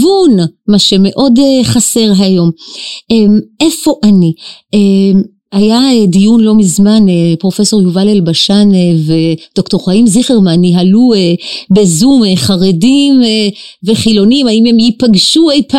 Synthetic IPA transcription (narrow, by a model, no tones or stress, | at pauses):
vunmaʃe̞me̞ʔo̞deχase̞ʁɦajo̞meme̞fo̞ʔanie | ajaedijunlo̞mizmanepʁo̞fe̞so̞ʁjuvalelbaʃanved̥okto̞χaimziχeʁmaniɦaluebe̞zumeχaʁedimveχilo̞nimaimemjipaɡʃuejpa